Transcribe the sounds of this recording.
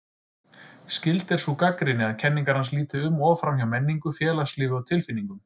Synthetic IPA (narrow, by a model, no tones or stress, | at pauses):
scɪlt̪ɛɾ̥sukakɾɪnɪaðcʰɛnːiŋkaɾ̥ans̬liːt̪ʏʏmːɔːvfɾamçjawmɛnːiŋkʏfjɛːlaslɪːvʏawt̪ʰɪlfɪnːiŋkʏm